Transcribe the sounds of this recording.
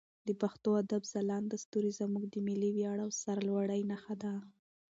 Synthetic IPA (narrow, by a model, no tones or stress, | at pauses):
d̪̥əpaxt̪oad̪abzalɑnd̪ast̪uɾizamuɡd̪əmiliwjɑɽawsaɾalwaɽajnaxad̪a